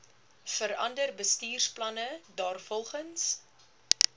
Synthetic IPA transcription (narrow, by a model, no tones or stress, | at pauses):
fəɾɐ̰ndərbəstiːrsplɐnədɑːrfɔlˠχəns